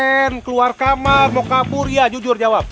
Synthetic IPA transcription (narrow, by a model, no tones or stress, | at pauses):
ɛnkəluarkamarmokaburjad͡ʒud͡ʒʊrd͡ʒawap̚